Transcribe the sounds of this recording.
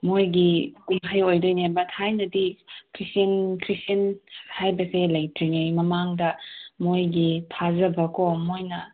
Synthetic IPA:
mojɡikumɦajojdojnebɐthajnɐdikʰɾisinkʰɾisɐnhajbɐselɐjtɾiŋajmɐmaŋdɐmojɡitʰazɐbɐkomojnɐ

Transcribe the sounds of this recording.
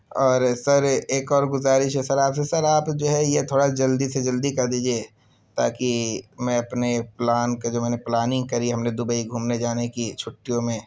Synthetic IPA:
ɔːɾsɐɾeːkɔːɾɡʊzaːɾiʃɦɛsɐɾaːpsesɐɾaːpd͡ʒoːɦɛjet̪ʰoːɽad͡ʒɐld̪ised͡ʒɐld̪ikɐɾd̪iːd͡ʒie | t̪a̰ːkimɛ̃ɐpneplaːnkad͡ʒoːmɛːneplaːnɪ̃ŋɡ̚kɐɾiɦɐmned̪ʊbəiɡʱuːmned͡ʒaːnekit͡ʃʰʊʈːijõmẽː

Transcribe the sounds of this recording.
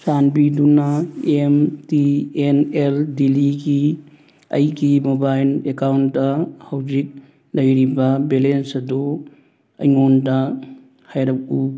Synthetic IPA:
sanbidunaemtieneldiliɡi | ɐ̰jɡimobajlekawnːɐhawd͡ʒik̚ | lɐjɾibɐbelensɐdu | ɐ̰jŋondɐ | hajɾɐk̚u

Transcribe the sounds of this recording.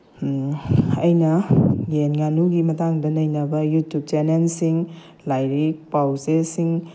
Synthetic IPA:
ɐjnɐɡenŋanuɡimɐtaŋdɐnɐjnɐbɐjutjup̚t͡ʃenelsiŋ | lajɾik̚pawzesiŋ

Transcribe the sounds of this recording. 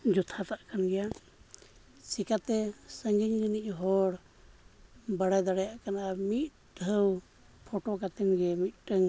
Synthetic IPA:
d͡ʒɔt̪ʰat̪aʔkanɡɛja | sikat̪ɛsəŋɡiɲɡəniʔɦɔɾ | baɽajd̪aɽɛjaʔkanamit̪̚ | ɖʱəw | pʰɔʈɔkat̪ɛŋɡɛmit̪̚ʈəŋ

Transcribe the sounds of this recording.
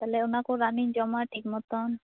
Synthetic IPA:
t̪alɛunakoɾanind͡ʒɔmaʈʰikmɔt̪ɔn

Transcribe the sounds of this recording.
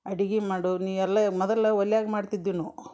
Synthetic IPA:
ɐɽiɡimaːɽuniːʋɛlːɐmɔd̪ɐlːɐʋɐlːjaːɡmaːɽt̪id̪ːiːnu

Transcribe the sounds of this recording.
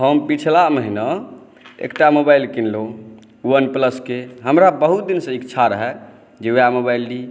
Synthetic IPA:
ɦəmpit͡ʃʰlaməɦinə | ḛkʈamobailkinlo | uənpləskeɦəmɾabəɦut̪̚d̪insə̃ikt͡ʃʰaɾəɦɛ | d͡ʒejamobailɖi

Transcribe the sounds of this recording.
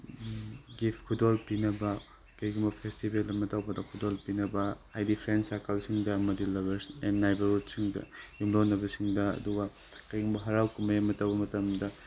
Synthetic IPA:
ɡipʰkʰudolpinɐbɐ | kɐjɡumbɐpʰestibeldɐmɐtawbɐdɐkʰudolpinɐbɐajdipʰɾensajkɐlsiŋdɐɐmɐdilɐβɐenːajbɐɾud̚siŋdɐ̰jumlonːɐbɐsiŋdɐɐ̰duɡɐ | kɐjɡumbɐɦɐɾawkumɐjamɐtawbɐmɐtɐmdɐ

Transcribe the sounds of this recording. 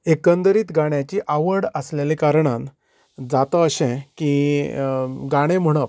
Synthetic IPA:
ekənd̪əɾiːt̪ɡaɳ̃jat͡ɕiʔaʋəɽəslelekaɾɳ̃ãn | d͡zat̪əəɕɛ̃ki | ɡaɽ̃ẽm̤əɽ̃əp

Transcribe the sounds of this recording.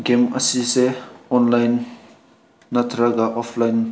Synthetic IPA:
ɡemɐ̰sisɛɔnlajn | ɐt̪ɾaɡaʔɔfʰlajn

